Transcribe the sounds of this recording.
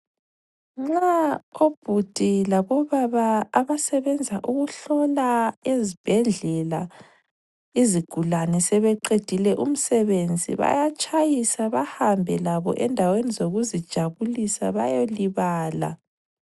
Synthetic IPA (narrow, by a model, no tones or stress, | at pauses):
ŋ͡ǁaob̥ʱud̥ʱilaβɔβaβaːβasɛβɛnd͡zʱaʔuɣuɬɔlaezib̥ʱɛɮɛla | iziɡ̥ʱulanɛsɛβɛǃed̥ʱilɛʔum̩sɛβend͡zʱḭβa̰jat͡ʃʼajisaβahambʱɛlaβɔ̰ʔɛndʱawenizoɣuzid̥ʒ̥ʱaβulisa̰βa̰joliβaːla̰